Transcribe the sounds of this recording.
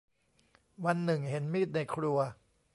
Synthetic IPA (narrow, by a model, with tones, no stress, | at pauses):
wa˧nːɯ˨˩ŋhe˩˦nmiː˥˩t̪̚na˧jkʰɾu˧ɐ